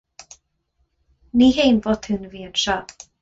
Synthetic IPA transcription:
niɦejnvot̪hɨnviːənʃa

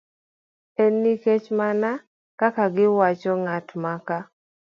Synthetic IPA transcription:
enːiket͡ʃmana | kakaɡɪwat͡ʃɔŋatmaka

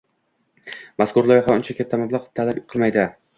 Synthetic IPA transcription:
maskʊɾlˠɒχɒʊnt͡ʃʰakʲat̪ʰːamablˠaqt̪ʰalabqʰɨlˠmajd̪ɪ

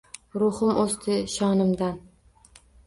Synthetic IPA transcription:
ɾʊhʊmost̪ʰɪʃɒnɪmd̪an

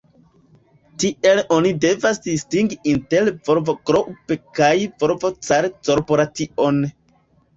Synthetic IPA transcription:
tiʔe̞lo̞nide̞vasdistiŋɡiʔinte̞lvo̞ɾvo̞kɾoʔpekajvo̞ɾvo̞t͡saɾkoɾpoɾatiʔo̞n

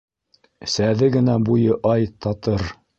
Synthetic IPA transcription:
sæðɘɡɘ̆næbujɤʔɑjt̪ɑt̪ɤɾ

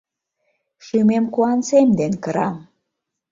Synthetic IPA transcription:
ʃymemkuɑnsemd̪enkəɾɑm

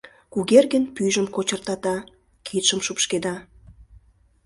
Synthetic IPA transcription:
kuɣerɣənpyjʒəmkot͡ɕərt̪ɑt̪ɑ | kʰit̪ʃəmʃupʃked̪ɑ

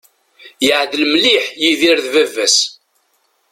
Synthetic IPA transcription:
jəʕðlmliħjiðiɾðvævːæs

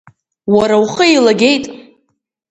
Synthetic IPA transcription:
waɾawχəejlaɡʲe̞jtʼ

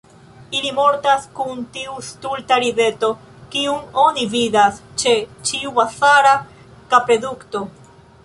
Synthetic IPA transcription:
ilimo̞ɾtaskuntiustultaɾive̞to̞ | kiuŋo̞nividast͡ʃe̞t͡ʃiubasaɾa | kapɾe̞dukto̞

